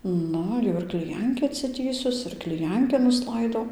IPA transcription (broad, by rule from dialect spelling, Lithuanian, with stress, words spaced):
ˈnʊ jɛʊ ɪr klʲɪˈjɛŋʲkʲiː ɐtʲsʲɪˈtʲiːsʊs ɪr klʲɪˈjɛŋʲkʲɪ nʊsˈlˠɐɪdɐʊ